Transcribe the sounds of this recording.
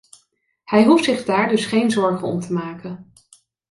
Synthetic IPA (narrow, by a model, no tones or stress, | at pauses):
hɛjɦuftsɪχdaːɹdɵsχejnzɔɹχənɔ̰mtʰəmaːkən